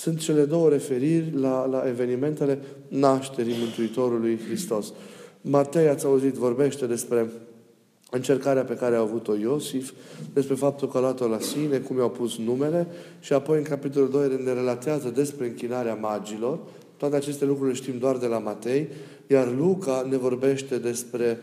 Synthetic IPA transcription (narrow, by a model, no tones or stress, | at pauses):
sunt̪t͡ʃe̞le̞d̪o̞wəɾe̞fe̞ɾirʲlalaʔe̞ve̞nime̞nt̪e̞le̞naʃt̪e̞ɾimɨnt̪uit̪o̞ɾulujxɾist̪o̞smat̪e̞jat̪sʲauzit̪vo̞rbe̞ʃt̪e̞d̪e̞spɾe̞ | ɨnt͡ʃe̞rkaɾeape̞kaɾeaavut̪o̞jo̞sifd̪̥e̞spɾe̞fap̚t̪ulkəalat̪o̞lasine̞kumjawpusnume̞le̞ | ʃiapo̞jɨŋkapit̪̬o̞luld̪o̞jene̞ɾe̞lat̪eazəd̪e̞spɾe̞ɨŋkʲinaɾeamad͡ʒilo̞r | t̪oat̪eat͡ʃe̞st̪e̞lukɾuileʃt̪imd̪oard̪e̞lamat̪e̞j | jarlukane̞vo̞rbe̞ʃt̪e̞d̪e̞spɾe̞